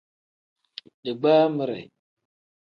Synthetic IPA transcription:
ɗi˨ɡ͡ba˦mə˦ɾḛ˨j

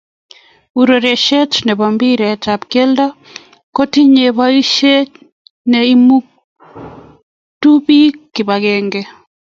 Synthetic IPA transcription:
u˨ɾo˨ɾe˨ʃɛ˦t͡ʃnɛ˨ba˨mbi˦ɾɛ˨t͡ʃa˨pke˦lda˦ | ko˦ti˦ɲe˨βa˦i˦ʃe˦ | nɛi˦mu˦k | tu˦bi˦kɪ˨ba˨ɡɛŋɡe˦

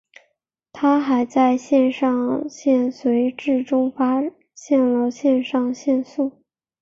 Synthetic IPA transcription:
t̪ʰa˥xa˧˥ɪt͡sa˥˧ɪɕjɛ˥˧nʂɑ˥˧ŋɕjɛ˥˩nswe˧˥ɪʈ͡ʂɻ̩˥˩ʈ͡ʂʊ˥ŋfa˥ | ɕjɛ˥˩nlə˧˦ɕjɛ˥˧nʂɑ˥˧ŋɕjɛ˥˧nsu˥˩

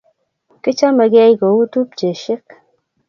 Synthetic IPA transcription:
kɪ˦t͡ʃa˦me˨ɡɛ˦jko˨wu˦tu˦p̚d͡ʒe˨ʃɪ˦k̚

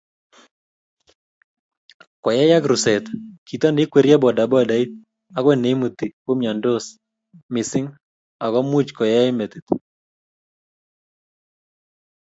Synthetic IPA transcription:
kɔ˨jɛ˦ja˦ɡɾu˨sɛ˨t̪ki˨t̪a˦ndɪ˦kwe˨ɾja˦bɔ˨da˨bɔ˦˨da˨i˦t̪̚ | a˨kwɛ˦˨ne˨i˦mu˨t̪i˨ko˦mja˨ndo˦s | mɪ˨sɪ˦ŋ | a˨kɔ˦mu˦t͡ʃkɔ˨jɛ˦ɪ˦me˨t̪i˨t̪

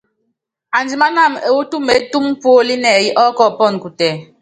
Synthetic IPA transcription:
a˨n˨d͡zi˨ma˦na˦˨me˨wo˦tu˦me˨˦tu˦m̩˦po˦li˦nɛ˨ji˦ʔɔ˦kɔ˦˨pɔ˦˨n˨ku˨tɛ˨

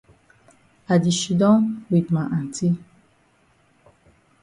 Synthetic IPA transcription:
a˨di˨ʃu˨dɔ̃˦wi˨dmã˨ʔã˨n˨ti˦

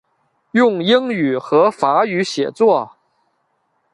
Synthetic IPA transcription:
jʊ˥˧ŋji˥ŋy˨˩xɤ˧˥fa˧˥y˧˥ɕjɛ̰˨˩t͡swɔ˥˩

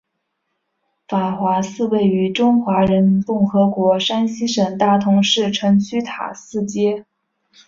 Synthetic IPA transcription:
fa˨˩xwa˧˥sɹ̩˥˧we˥˩ɪy˧˥ʈ͡ʂʊ˥ŋxwa˧˥ɻə˧˥nmi˥nkʊ˥˩ŋxɤ˧˥kwɔ˧˥ʂa˥nɕi˥ʂə˨˩ŋt̪a˥˩t̪ʰʊ˧˥ŋʂɻ̩˥˩ʈ͡ʂʰɤ˧˥ŋt͡ɕʰy˥t̪ʰa̰˨˩sɹ̩˥˩t͡ɕjɛ˥

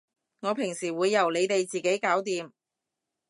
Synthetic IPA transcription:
ŋɔː˨˧pʰɪ˨˩ŋsiː˨˩wuː˨˧jːɐ˨˩wle˨˧jt̪e˨jt͡siː˨ke˨˥jkaː˨˥wt̪iː˨m

